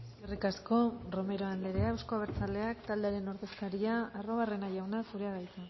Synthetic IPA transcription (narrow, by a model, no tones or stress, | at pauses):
orikasko̞ro̞me̞ɾo̞anle̞ɾe̞aewsko̞aβ̞e̞ɾt͡sald̪e̞akt̪ald̪e̞aɾe̞no̞ɾðe̞skaɾiaːro̞βare̞naʝawnafuɾe̞aɣajt͡sa